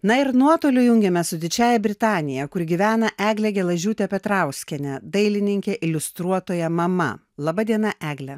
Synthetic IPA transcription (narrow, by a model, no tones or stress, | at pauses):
nɐɪɾnuɔt̪oːlʲʊjʊŋʲɡʲɛmʲɛssʊd̪ʲɪt͡ʃʲæːjɛbʲɾʲɪt̪ɑːnʲɪjɛkʊɾʲɡʲiʋʲæːnɐʔæːɡlʲɛɡʲɛlˠɐʒʲuːt̪ʲɛpʲɛt̪ɾɑˑʊsʲkʲɛnʲɛd̪ɐɪlʲɪnʲɪŋʲkʲɛʔɪlʲʊst̪ɾuɔt̪oːjɛmɐmɐ̰ | lˠɐbɐd̪ʲiɛnɐʔæːɡlʲɛ